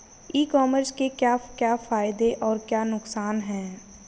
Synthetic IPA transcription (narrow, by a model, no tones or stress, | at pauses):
iːkɔːməɾskekjaːkjaːfaːɪd̪eʔɔːɾkjaːnʊksaːnɦɛ̃ː